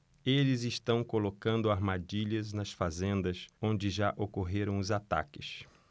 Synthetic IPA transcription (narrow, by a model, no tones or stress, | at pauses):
elɪzɪʃt̪ɐ̃w̃kolokɐ̃nd̪ʊaɾmad͡ʒiʎɐznɐsfazẽnd̪ɐsõnd͡ʒɪʒaʔokoɦeɾɐ̃w̃ʊzat̪a̰kɪs